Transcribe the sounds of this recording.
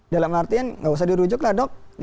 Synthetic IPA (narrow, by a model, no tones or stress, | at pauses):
dalamnart̪ianŋɡaus̬ahdiɾud͡ʒʊklahdɔk̚